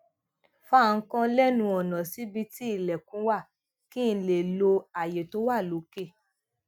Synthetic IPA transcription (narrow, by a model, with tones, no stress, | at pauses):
fa˦˨ŋ̩˦kɔ̃˦lɛ˦nũ˧ɔ˨nã˨si˨˦bi˧ti˦i˦˨lɛ˨kũ˨˦wa˦˨ | kĩ˦˧˦le˨lo˧a˨je˨to˨˦wa˦˨lo˨˦ke˦˨